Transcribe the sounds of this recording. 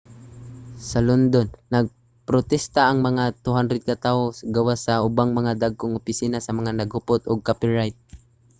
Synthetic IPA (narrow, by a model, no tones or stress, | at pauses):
sɐlond̪onːɐɡ̚ | pɾot̪ɛst̪aʔɐŋmɐŋat̪ʊɦand̪ɾɛd̪̚kat̪aʔosɡɐwasɐʔʊbaŋmɐŋad̪aɡ̚koŋʊpɪsiːnasɐmɐŋanɐɡhʊpot̪ʊɡ̚kapɪɹajt̪̚